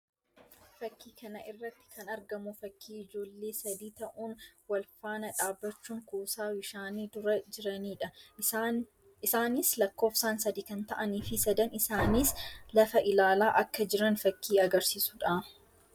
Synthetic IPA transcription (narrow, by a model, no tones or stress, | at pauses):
fɐkːiːkɐnɐʔɪrːɐt̪ːɪ̥kʰɐnɐɾɡɐmʊfɐkʰːiːɪd͡ʒo̞ːlːe̞ːsɐd̪iːt̪ɐʔuːnwɐlfaːnɐᶑaːbːɐt͡ʃːuːŋkuːsaːwɪʃaːniːd̪ʊɾɐd͡ʒɪɾɐniːᶑɐ | ɪsaːnɪslɐkːo̞ːfsaːnsɐd̪iːkɐnt̪ɐʔɐniːfɪsɐd̪ɐnɪsaːnislɐfɐʔɪlaːlaːʔɐkːɐd͡ʒɪɾɐnfɐkːiːɐɡɐɾsiːsʊᶑa